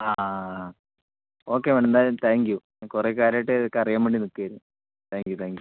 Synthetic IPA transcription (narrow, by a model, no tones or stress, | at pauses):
aː | o̞ːkːeʋeɳend̪aːɾumt̪ʰaːŋkju | kureːkaːɾajʈːɨðkːɐrijaːmʋeɳɖinukːiɐɾu | t̪ʰaːŋkjut̪ʰaːŋɡju